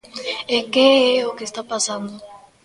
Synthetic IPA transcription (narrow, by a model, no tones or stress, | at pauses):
ekeɛokest̪apasand̪o